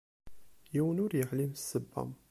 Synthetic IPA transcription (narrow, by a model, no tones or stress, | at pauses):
jiwənʊɾjəħlimsːəbːæ̰m